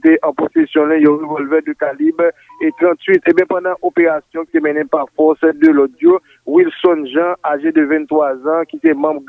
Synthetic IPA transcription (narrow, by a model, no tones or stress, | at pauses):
t̪eʔɑ̃posesjɔ̃lĩjɔ̃ʁevɔlvɛʁd̪əkalib | et̪ʁɑ̃t̪ɥit̪ẽbjɛ̃pãd̪ãʔopeʁasjɔ̃ki̥t̪emɛ̃nẽpaʁfɔʁsd̪əlɔt̪̚d͡ʒjo | wilsɔnʒɑ̃aʒed̪əvɛ̃nt̪ʁwazãkit̪ɛmãbɡ